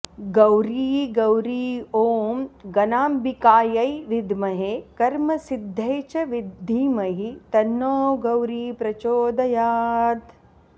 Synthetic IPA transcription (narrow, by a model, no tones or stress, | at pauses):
ɡɐwɾiːɡɐwɾiːoːmɡɐnaːmbikaːjɐjʋid̪ʱmɐɦekɐɾmɐsid̪ʱːɐjt͡ʃɐʋid̪ʱːiːmɐɦit̪ɐnːoːɡɐwɾiːpɾɐt͡ʃoːd̪ɐjaːd̪